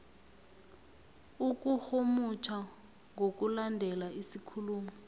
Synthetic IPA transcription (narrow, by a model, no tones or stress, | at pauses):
uk̬ʼuhomut͡ʃʰa | ŋʱok̬ʼulandʱɛlaisikʰuluːmɛ